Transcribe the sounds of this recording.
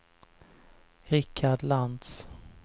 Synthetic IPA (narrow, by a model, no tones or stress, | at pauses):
ɾɪkʰːaɖland̪s